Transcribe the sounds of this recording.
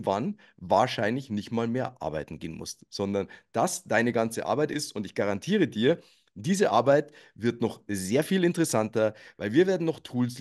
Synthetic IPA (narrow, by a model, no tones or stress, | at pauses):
van | vaːɐʃaɪnlɪçnɪçtmaːlmeːɐʔa̰ɐbaɪtn̩ɡeːnmʊ̰stz̥ɔndɐnd̥asd̥aɪnəɡant͡səʔa̰ɐbaɪtɪstʊntɪçɡ̥aʁantʰiːʁ̞ədiːɐ | diːzəʔa̰ɐbaɪtvɪɐtnɔχzeːɐfiːlɪntəʁɛsantɐvaɪlviːɐveːɐdn̩nɔχtʰuːls